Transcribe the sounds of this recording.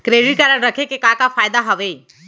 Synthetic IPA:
kɾeːɖɪʈkəɾəɽɾəkʰekekakafaːjd̪aɦəʋe

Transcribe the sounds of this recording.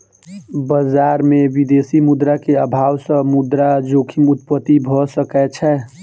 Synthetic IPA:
bəd͡ʒaːɾmẽʋid̪eːsimʊd̪ɾakeəbʱaːwsəmʊd̪ɾad͡ʒoːkʰimʊt̪̚pət̪ibʱɔsəkɛt͡ʃʰɛ

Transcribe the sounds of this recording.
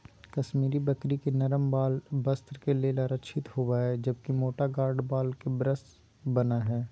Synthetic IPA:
kɐʃmiːɾibɐkɾikenɐɾəmbaːlbɐst̪ɾkelelaːɾəkʃʰɪt̪hoʋaːɛd͡ʒɐb̚kimoːʈaɡaːɾɖbaːlkebɾəst̪ | bɐnaɦɛː

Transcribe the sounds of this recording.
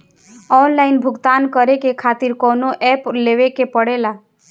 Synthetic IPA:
ɔːnlaːɪnbʱʊɡt̪aːnkəɾekekʰaːt̪ɪɾkɔːnoʔɛpleːʋekepəɽela

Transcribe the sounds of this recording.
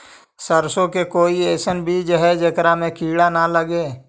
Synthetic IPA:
səɾsõkekoːieːsənbʱid͡ʒəɦɛd͡ʒəkɾamẽkiːɽanaləɡeː

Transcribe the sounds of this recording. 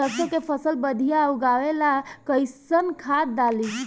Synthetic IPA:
əsokepʰəsəlbəd̪ʱijauɡaʋelakəjsənkʰat̪̚d̪ali

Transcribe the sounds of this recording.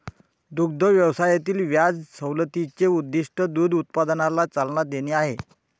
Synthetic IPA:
d̪uɡ̚d̪əʋjəʋsajat̪iːlʋjad͡zsəwlət̪it͡ɕeud̪ːiʂʈəd̪uːd̪ut̪̚pad̪ənalat͡salnad̪eniaɦe

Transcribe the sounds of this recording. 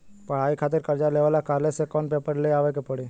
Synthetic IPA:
pəɽ̤aːikʰaːt̪̬ɪɾkəɾd͡ʒaleːʋaːlakaːɾlesekɔnpeːpəɾleaːʋekepəɽi

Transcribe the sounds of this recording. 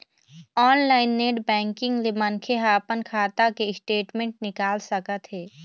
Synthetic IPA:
ɔːnlaːɪnːeːɖbɛ̃ːŋkɪ̃ŋɡlemənkʰeɦapənkʰaːt̪akeɪsʈeːʈmẽːɳʈnɪkaːlsəkət̪ɦɛː

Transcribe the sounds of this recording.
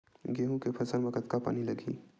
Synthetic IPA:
ɡeːɦũkepʰɐsənbəkət̪kapa̰ːnilɐɡʱḭː

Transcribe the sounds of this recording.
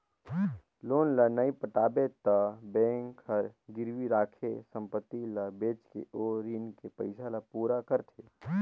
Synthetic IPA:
loːnlənəipəʈaːbet̪əbɛ̃ːŋkəɾɡɪɾwiɾaːkʰesə̃mpət̪ːilabeːt͡ʃkḛʔoːɾiːnkepəɪsalapuːɾakəɾt̪ʰeː

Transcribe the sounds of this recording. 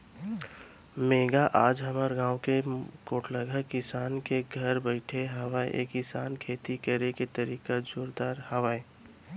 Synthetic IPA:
meːɡaʔaːd͡ʒɦɐmaːɾɡãːwkekoːʈʰləɡəkɪsaːnkeɡʱəɾbəɪʈʰeɦɐʋaḛʔḛːkɪsaːnkʰeːt̪ikəɾeket̪əɾiːkad͡ʒoːɾd̪aːɾhɐʋaːe

